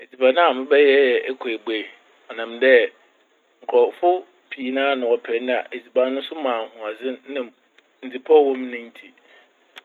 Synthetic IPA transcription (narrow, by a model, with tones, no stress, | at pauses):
e˨d͡zi˨bã˨nã˦a˨mɪ̃˦bɛ˦jɛ˦ɛ˨ɛ˦kʰɔ˨e˨be˨ | ɔ˨nã˨mdɛ˦ | ŋ̩˨kʰɾɔ˨fʊ˦ | pʰiː˨˦nãː˦nʊ̃˨wɔ˨pʰɛ˨˦ñ˦a̰˨ʔe˨d͡zi˨ba˨˦nʊ̃˦n˦sʊ˦mãː˨hʊ̃˨a˨d͡zɪ̃˦nɪ̃˨ | n̩˨d͡zi˨pʰɔ˦wɔ̃˦m˦nʊ̃˦n̩˦tʰi˨